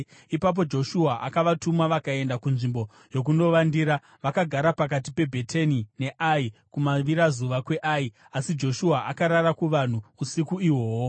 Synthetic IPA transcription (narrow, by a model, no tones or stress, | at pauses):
ipap̬o̞d͡ʒo̞ʃuaʔakaʋatumwaʋakae̞ndakunʐimbo̞ | jo̞k̬uno̞ʋandiɾa | ʋakaɡʱaɾapak̬at̬ipe̞bʱe̞tʰenine̞ʔaikumaʋiɾazuʋakwe̞ʔai | asid͡ʒo̞ʃuaʔakaɾaɾakuʋan̤uːsikuiwo̞ːwo